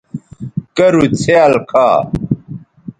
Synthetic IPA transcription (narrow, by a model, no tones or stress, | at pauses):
kɐɾut͡sʰeɐlkʰaː